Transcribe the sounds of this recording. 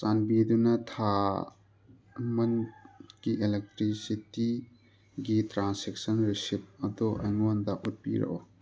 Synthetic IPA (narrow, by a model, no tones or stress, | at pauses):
sanbidunɐtʰa | mɐnɡ̥ielek̚tɾisiti | ɡitɾansek̚sɐnɾisip̚ɐd̪oʔɐjŋondɐʔut̚pḭɾɐ̰ʔo